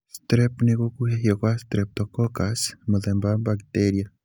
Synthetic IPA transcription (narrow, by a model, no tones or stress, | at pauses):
st̪ɾepnekokuɦejokwast̪ɾep̚t̪okokasmuðembabakt̪eɾja